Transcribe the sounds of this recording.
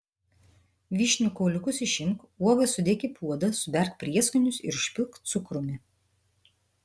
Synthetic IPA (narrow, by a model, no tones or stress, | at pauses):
ʋʲiːʃʲnʲʊkɔʊlʲʊkʊsɪʃʲɪmkuɔʋɐsʊd̪ʲekʲɪpʰuɔd̪ɐsʊbʲɛɾkpʲɾʲiɛskʊnʲʊsɪ̰ɾʊʃʲpʲɪlˠkt̪̚t̪sʊkɾʊmʲɪ